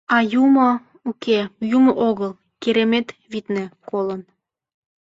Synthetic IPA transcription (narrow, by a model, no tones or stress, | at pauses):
ɑjumɤ̆ | ukejumoʔoɣəlˠ | keɾemet̪βit̪nĕkolən